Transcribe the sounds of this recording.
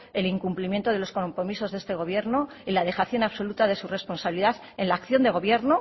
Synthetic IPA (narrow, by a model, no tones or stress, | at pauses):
e̞liŋkumplimjent̪o̞ð̞e̞lo̞sko̞mpɾomiso̞zðe̞st̪e̞ɣ̞o̞βje̞ɾno̞ | ilaðe̞xaθjo̞naβso̞lut̪aðe̞sure̞spo̞nsaβiliðaθ | enlaːkθjo̞nd̪e̞ɣ̞o̞βje̞ɾno